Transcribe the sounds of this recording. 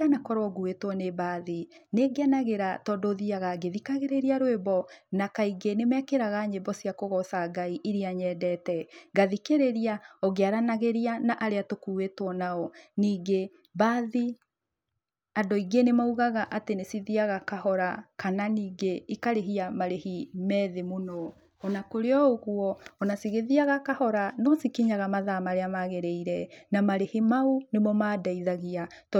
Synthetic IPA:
anakɔɾwɔɣuetwɔnebaːðineɡeanaɣeɾatɔdoːðiaɣaɡeðikaɣeɾeɾiaɾoebɔnakaiɡenemɛkeɾaɣaɲebɔsiakoɣɔsaɡaiʔiɾiaɲɛdɛtɛɡaðikeɾeɾiaɔɣeaɾanaɣeɾianaʔaɾeatokuwetwɔnaɔniːɡe | baːði | adɔiɡenemauɣaɣaʔatenesiðiaɣakahɔɾakananiːɡeikaɾeɦiamaɾehimɛðemonɔː | nakoɾeɔoɣuɔːnasiɣeðiaɣakahɔɾanɔsikiɲaɣamaðamaɾeamaɣeɾeiɾɛnamaɾehimaunemɔmaːdaiðaɣiat

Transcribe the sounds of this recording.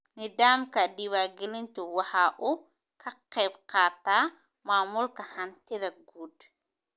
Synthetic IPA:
nɪðaːmkʰɐɖɪwaːɡɛlɪnt̪ʰʊwɑħɑːʔʊ | kʰɐqɛjbqɑːt̪ʰaː | maːmʊlkʰɐhɐnt̪ʰɪðɐɡuːd̪

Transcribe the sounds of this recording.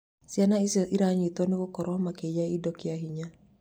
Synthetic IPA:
sianaisʔiɾaɲit̪ɔnikɔkɔɾɔmaked͡ʒaidɔkiaɦiɲa

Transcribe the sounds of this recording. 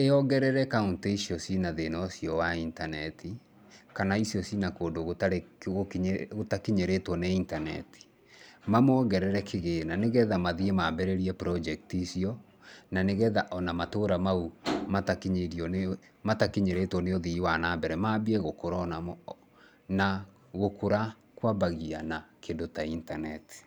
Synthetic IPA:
eɔɡɛɾɛɾɛkauntoisiɔsinaðenɔsijɔwaintanɛtʰi | kanaisiɔsinakoːndoɣotaɣokɣotakiɲeɾetwɔneintanɛ̰ti̥ | mamɔːɣɛɾɛɾɛkʰeɣenaneɣɛðamaðiemaːbɛɾeɾiɛpɾɔd͡ʒɛk̚tiːsiɔ | naneɣɛðaʔɔnamatoːɾamaumatakiɲeɾiɔ | matakeɲeɾetwɔneoðiwanaːbɛɾɛmaːbiɛɣokoɾɔnamɔ | na | ɣokoɾa | kwabaɣianakendotaintanɛti̥

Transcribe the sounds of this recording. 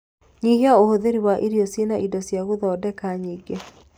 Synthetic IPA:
ɲiːheaohoðeɾiwaʔiɾiɔsenaʔidɔsjaɣoðɔːdɛkaɲiːɡe

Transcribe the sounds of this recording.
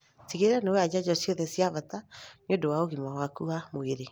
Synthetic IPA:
tiɣeɾanowad͡ʒad͡ʒɔsjɔðɛsjaβataɲodowaoɣimawakuamoeɾe

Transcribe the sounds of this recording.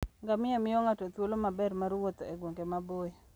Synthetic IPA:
ŋɡamɪamɪjɔŋatot̪wolomabɛrmaɾwot̪oeɡwoŋɡemaboe

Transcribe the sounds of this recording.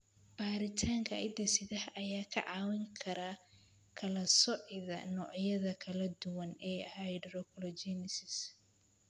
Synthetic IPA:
b̥aːɾɪt̪ʰaːŋkʰɐʔɪ̰d̪ɐsɪðɐhʔɐjaːkʰɐ̰ʕɑːwɪŋkʰɐɾaː | kʰɐlɐsɔʕɪðɐ̰nɔːʕjɐðɐkʰɐlɐd̪ʊwɐnɛːɐhɐjɖrɔkʰlɔd͡ʒɛnɪsɪs

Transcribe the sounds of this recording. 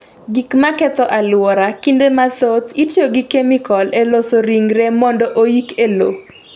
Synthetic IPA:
ɡikmakɛt̪ɔʔalwɔɾakindemasot̪it͡ʃjoɡikemikɔlelosoɾiŋɾemɔndɔʔojikelo̰

